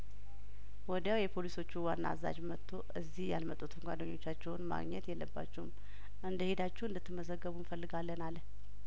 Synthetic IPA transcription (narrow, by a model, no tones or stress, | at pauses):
wɔd̪jawjɛpʰo̞liso̞t͡ʃːuwanːa̰aza̰d͡ʒmət̪ʰːo̞ʔɨzːihja̰lmət̪ʼut̪ʰəŋɡʷad̪əɲːo̞t͡ʃːat͡ʃːɛwnma̰ɡɲɛt̪jɛlːəbːa̰t͡ʃːɛwum | ʔɨnd̪əhed̪at͡ʃːɛwɨnd̪ət̪ːɨmːəzəɡːəβunfəlːɨɡalːənalə